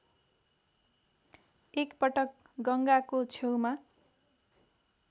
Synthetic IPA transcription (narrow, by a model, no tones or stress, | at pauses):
ekpʌʈʌk̚ | ɡʌŋɡakot͡sʰewma